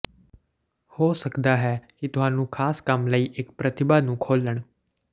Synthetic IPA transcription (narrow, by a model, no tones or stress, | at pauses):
hoːsəkd̪aːɦɛːkit̪ʊɦãːnũːkʰaːskəmləiːʔɪkpɾət̪ɪbaːnũːkʰoːləɳ̃